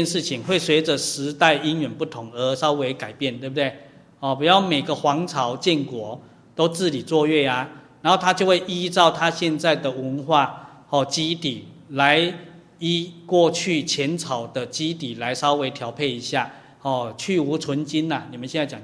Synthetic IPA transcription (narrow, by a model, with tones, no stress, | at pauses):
ɛ˧nʂɻ̩˥˩t͡ɕʰi˨ŋwe˥˩ɪswe˧˥ɪd͡zə˨˦ʂɻ̩˧˦t̪a˥˧ɪi˦˥nɥɛ˨˩npu˥˩t̪ʰʊ˧˥ŋə˧˦sɑ˥˦ʊwe˧ɪka˨˩ɪpjɛ˥˩˨nt̪we˥˩bə˩d̪e˥˩ɪ | hɔ˥˩pu˨˩jɑ˥˩ʊme˨˩ɪɡə˨xwɑ˧˦˥ŋt͡sʰɑ˨˥ʊt͡ɕjɛ˥˩nkwɔ˨˩˦ | t̪o˥ʊt͡sɻ̩˥˩li˨˩t͡swɔ˥˧ɥɛ˥˩a˨˩na˨˦no˥˩ʊt̪ʰa˥t͡ɕjo˥˧ʊwe˥˩ɪʔi˥t͡sɑ˥˧ʊt̪ʰa˥˦ɕjɛ˥˧nt͡sa˥˩ɪd̪ə˩wə˧˦nxwa˥˧ | hɔ˥˩t͡ɕi˦t̪i˨˩ | la˧˦ɪ | i˥˩kwɔ˥˧t͡ɕʰy˥˩t͡ɕʰjɛ˨˦nt͡sʰɑ˨˩ʊd̪ə˦t͡ɕi˦t̪i˨˩la˨˦ɪʂɑ˦ʊwe˧˦ɪt̪ʰjɑ˧˥ʊpʰe˥˩ɪi˧˥ɕja˥˩ | hɔ˥˩t͡ɕʰy˥˩u˧˥t͡sʰə˧˦nt͡ɕi˦na˨ni˨˩mə˦nɕjɛ˥˧nt͡sa˥˩ɪt͡ɕa˨˩